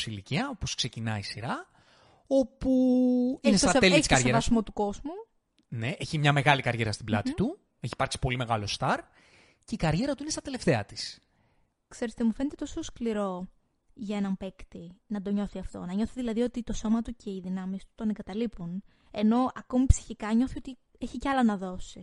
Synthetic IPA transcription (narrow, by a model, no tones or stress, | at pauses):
siliciɐoposkse̞cinɐisiɾɐ | o̞puinesɐelsɐɾevɐsimo̞t̪uko̞zmu | neʔeçimɲɐme̞ɣɐlikɐɾʝe̞ɾɐst̪iblɐ̰t̪it̪u | eçi̥pɐɾksi̥po̞lime̞ɣɐlo̞st̪ɐɾ | ce̞ikɐɾʝe̞ɾɐt̪uine̞st̪ɐt̪e̞le̞ft̪e̞ɐt̪i̥s | kse̞ɾest̪emufe̞net̪e̞t̪o̞so̞skliɾo̞ | ʝɐenɐmpe̞kt̪inɐd̪o̞ɲo̞θiɐft̪o̞̰nɐɲo̞θiðilɐðio̞t̪it̪o̞so̞mɐt̪ucʰe̞iðinɐmist̪u̥t̪oneŋɡɐt̪ɐlipun | e̞no̞ɐko̞mipsi̥çikɐɲo̞θio̞t̪i | eçiceɐlɐnɐðo̞si